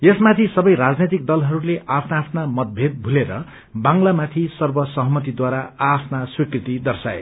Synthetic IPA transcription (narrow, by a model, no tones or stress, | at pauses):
esmat̪ʰisʌbʌjɾad͡znet̪̬ik̚d̪ʌlɦʌɾuleʔapʰnaːpʰnamʌt̪̚bʱed̪̚bʱuleɾʌ | bãŋlamat̪ʰisʌrbʌsʌɦʌmʌt̪id̪waɾaapʰnaswikrit̪id̪ʌrsaḛ